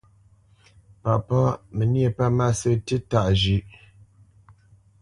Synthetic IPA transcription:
pa˨pɔ˦mə˨ni˦e˦˨pa˦ma˦sə˦tə˦ta˨ʔd͡ʒʉ˦ʔ

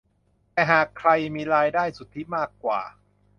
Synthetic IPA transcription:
t̪ɛː˨˩ɦaː˨˩kʰɾa˧jmiː˧ɾaː˧jdaː˥˩jsu˨˩t̪ʰːi˦˥˩maː˥˩kːwa̰ː˨˩

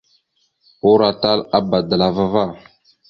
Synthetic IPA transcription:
u˦ɾa˨ta˦la˦ba˨da˨la˨va˦va˦˨

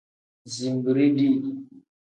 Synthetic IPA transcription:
zi˨mbi˨ɾi˦di˦˨

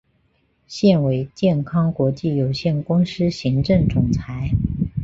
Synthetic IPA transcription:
ɕjɛ˥˩nwe˧˥ɪt͡ɕjɛ˥˩nkʰɑ˥ŋkwɔ˧˥t͡ɕi˥˩jo˨˩ʊɕjɛ˥˩nkʊ˥ŋʂɻ̩˥ɕi˧˥ŋʈ͡ʂɤ˥˩ŋt͡sʊ˨˩ŋt͡sʰa˧˥ɪ

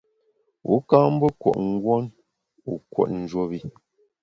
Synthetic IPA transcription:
ṵ˨˦ka˦m̩˦bə˦kwɔ̰˨ʔŋ̩˦ɡwɔ˦n | u˨kwɔ̰˨tn̩˨d͡ʒwo˦bi˨

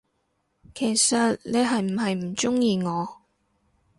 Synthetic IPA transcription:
kʰe˨˩jsɐ˨t̚ne˨˧jɦɐ˨jm̩˨˩ɦɐ˨jm̩˨˩t͡sʊ˥ŋjiː˨˧ŋɔː˨˧

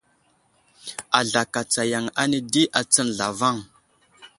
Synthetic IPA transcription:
a˨ɮa˨ka˨t͡sa˨ja˨ŋa˦ni˦di˦ʔa˨t͡sə˦nɮa˨va˦˨ŋ

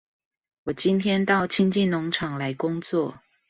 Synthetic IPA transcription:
wɔ˨˩t͡ɕi˥nt̪ʰjɛ˥nt̪ɑ˥˩ʊt͡ɕʰi˥nt͡ɕi˥˩nʊ˧˥ŋʈ͡ʂʰɑ˨˩ŋla˧˦ɪkʊ˥ŋt͡swɔ˥˨

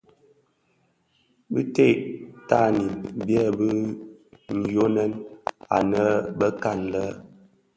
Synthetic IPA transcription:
bi˦te˦˨ʔta˦˨ni˨bjɛ˦˨bə˦ | n̩˨jo˦nɛ˦na̰˨nə˦bə˦ka˦˨nlə˦

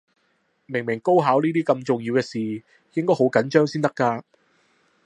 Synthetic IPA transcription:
mɪ˨˩ŋmɪ˨˩ŋko˥wɦaː˨˥wniː˥t̪iː˥kɐ˧mt͡sʊ˨˩ŋji˧wkɛː˧siː˨ | jɪ˥ŋkɔː˥jho˨˥wkɐ˨˥nt͡ʃœː˥ŋsiː˥nt̪ɐ˥kːaː˧

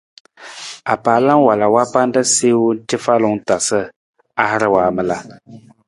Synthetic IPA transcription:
a˨paː˨la˦ŋ˦wa˨la˨wa˦pa˦n˦da˦seː˦wn̩˦tɪ˦fa˦lʊ˨ŋ˦ta˨sɨ˦ | a˦hɪ˦ɾɨ˦waː˨mɨ˨la˨

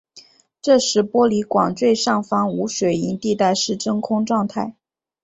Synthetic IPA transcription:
ʈ͡ʂɤ˥˧ʂɻ̩˧˥˩pwɔ˥li˧˥kwɑ˨˩ŋʈ͡ʂwe˥˧ɪʂɑ˥˩ŋfɑ˥ŋu˧˥ʂwe˨˩ɪi˧˥nt̪i˥˧t̪a˥˧ɪʂɻ̩˥˩ʈ͡ʂɤ˥ŋkʰʊ˥ŋʈ͡ʂwɑ˥˧ŋt̪ʰa˥˩ɪ

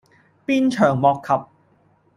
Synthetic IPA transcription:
piː˥nt͡ʃʰœː˨˩ŋmɔː˨kʰːɐ˨p̚

